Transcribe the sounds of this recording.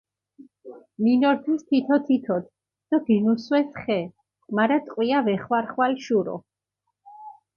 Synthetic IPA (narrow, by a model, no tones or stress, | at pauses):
minɔɾt̪ʰist̪ʰit̪ʰɔt̪ʰit̪ʰɔt̪ʰ | d̪̥ɔb̥inuswɛsχɛ | maɾat̪ʼqʼwiavɛχwaɾχwalʃuɾɔ̰